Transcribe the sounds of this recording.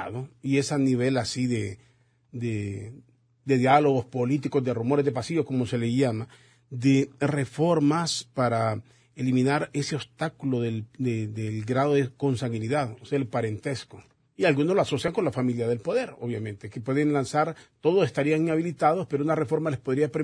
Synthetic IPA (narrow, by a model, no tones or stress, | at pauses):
ðoie̞saniβe̞lasiðe | d̪e | d̪e̞ðjalo̞ɣo̞spo̞lit̪̬iko̞zd̪e̞rumo̞ɾezðe̞pasiʝosko̞mose̞leʝama | d̪ere̞fo̞ɾmaspaɾa | elimĩnaɾe̞seost̪akuloðeld̪ed̪elɡɾaðo̞ðeko̞nsaŋɣɡiniðaðoseelpaɾe̞nt̪e̞sko | ialɣunoloaso̞sjaŋko̞nlafamiljaðe̞lpo̞ðe̞ɾo̞βjamẽ̞nt̪e̞kepweðe̞nlansaɾt̪o̞ðo̞se̞st̪aɾiaŋinaβ̞ilit̪að̞ospe̞ɾounare̞fo̞ɾmale̞spo̞ðɾiapɾe